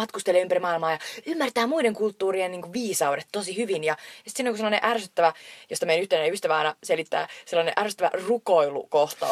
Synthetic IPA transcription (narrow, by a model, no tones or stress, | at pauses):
ɑt̪kust̪elːeːympæɾimɑːilmɑːjɑymːært̪æːmuideŋkult̪ːuːrieniːŋkuʋʋiːsɑudet̪t̪ːosihyʋinjɑjɑsit̪sinːoŋkuselːɑnẽʔærsyt̪ːæʋæjost̪ɑmejænyht̪enyst̪æʋæɑinɑselit̪ːæ̰ːselːɑnḛʔærsyt̪ːæʋæ̰rukoilṵkoht̪ɑ̰